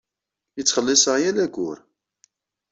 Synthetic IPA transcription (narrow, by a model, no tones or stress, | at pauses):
ət͡sːχəlːɪsˤəʁjænæɡʷʊɾ